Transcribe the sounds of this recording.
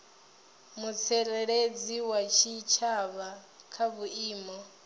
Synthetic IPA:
mut͡sʰɛlɛɺed͡ziwat͡ʃʰit͡ʃʰaβa | kʰaβuiːmɔ

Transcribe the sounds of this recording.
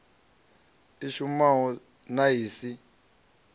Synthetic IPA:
iʃumaɦɔ | naɦiːsi

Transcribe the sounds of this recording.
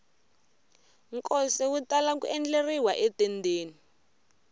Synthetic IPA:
ŋkʼɔsɛwutalakuɛnd͡ɮeriwaʔɛtɛndʱeːni

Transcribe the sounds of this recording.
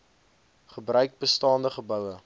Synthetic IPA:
χəbrœɥk̚bəstɑːndəχəbœwə

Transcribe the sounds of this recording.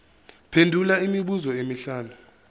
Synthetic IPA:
pʰendʱulaimiɓuzɔemiɬaːnu

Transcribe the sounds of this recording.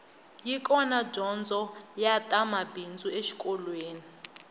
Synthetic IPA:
jikʼɔnad͡ʒɔnd͡zʱɔjatʼamabʱind͡zʱʼueʃi̥kʼɔlweːni

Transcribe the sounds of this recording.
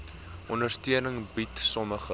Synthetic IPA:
ʔɔndərstiənəŋbitsɔməχə

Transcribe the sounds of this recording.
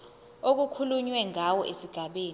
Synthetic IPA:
ok̬ukʰuluɲwɛŋawɔʔesiɡ̥ʱaɓeːn

